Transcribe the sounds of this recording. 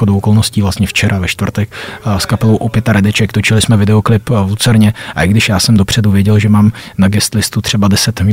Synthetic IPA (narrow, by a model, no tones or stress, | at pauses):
odowʔokolno̞sciːvlast̪ɲɛft͡ʃɛɾavɛʃt̪vr̩t̪ɛkskapɛlowʔopjɛt̪aɾɛdɛt͡ʃɛkt̪ot͡ʃɪlɪsmɛvɪdɛo̞klɪpvlut͡sɛɾɲɛʔaʔɪɡdɪʃjaːsɛmdo̞pr̝̥ɛduvjɛɟɛlʒɛmaːmnaɡɛst̪lɪst̪ut̪r̝̥ɛbadɛsɛt̪